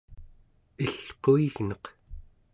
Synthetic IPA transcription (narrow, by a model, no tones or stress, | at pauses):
iɬqoiɣnʌq